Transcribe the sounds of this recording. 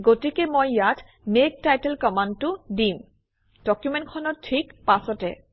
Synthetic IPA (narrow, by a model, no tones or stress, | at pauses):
ɡotikemojːat | mek̚tajtelkɔmantʊdim | d̥ɔkjumẽnkʰɔnɔt̚tʰikpasɔtɛ̰